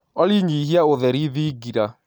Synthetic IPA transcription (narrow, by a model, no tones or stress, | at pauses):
ɔliɲiɦiaoðɛɾiðiɡiɾa